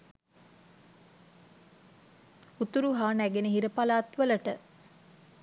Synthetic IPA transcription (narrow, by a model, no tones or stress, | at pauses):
ut̪uɾuɦaːnæɡenəɦiɾəpalaːt̪ʋələʈə